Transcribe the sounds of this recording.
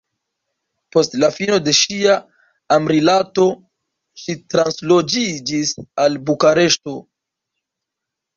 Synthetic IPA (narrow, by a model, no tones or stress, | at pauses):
po̞stlafino̞de̞ʃiaː | mɾilato̞ | ʃitɾanslo̞d͡ʒid͡ʒisalbukaɾe̞ʃto̞